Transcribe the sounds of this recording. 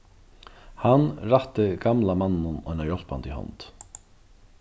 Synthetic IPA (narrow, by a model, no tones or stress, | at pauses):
hanɾaht̪ɪɡamlamanːʊnɔjnajɔl̥pa̰nt̪ihɔ̰nt̪